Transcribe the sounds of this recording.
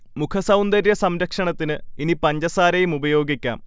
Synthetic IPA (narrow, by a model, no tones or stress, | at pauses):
mukʰɐsɐwnd̪ɐɾjɐsɐmɾɐkʂɐɳɐt̪ːinɨinipɐɲd͡ʑɐsaːɾɐjumubɐjo̞ːɡikʲːa̰ːm